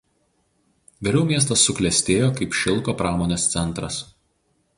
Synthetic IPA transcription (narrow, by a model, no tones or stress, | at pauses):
ʋʲɛɾʲɛʊmʲiɛs̬t̪ɐsːʊklʲɛsʲt̪ʲeːjoːkɐɪpʃʲɪlˠkoːpɾɑːmoːnʲeːst̪sʲɛnˑt̪ɾɐs